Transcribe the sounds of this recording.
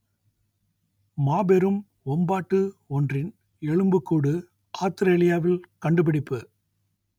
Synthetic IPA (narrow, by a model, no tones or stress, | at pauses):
maːbɛɾɯm | ɔmbaːʈːɯɔndrɪn | ɛɻɯmbɯkːuːɽɯ | ʔaːst̪ɪɾeːlɪjaːʋɪlkɐɳɖɯp̬ɪɽɪpːɯ